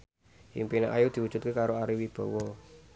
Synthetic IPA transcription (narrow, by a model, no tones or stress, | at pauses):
ḭŋmpina̰ʔajud̪̥i̤wud̥ʒ̥ṳt̪̚kekaɾoaɾiwib̥ɔ̤wɔ